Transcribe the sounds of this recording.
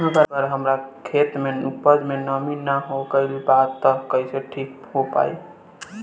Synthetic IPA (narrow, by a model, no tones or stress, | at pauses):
əbʱəɾbəɾɦəmɾakʰet̪menupəd͡ʒmenəminːaɦokəjlibat̪ːəkəiseʈʰikɦopa̰i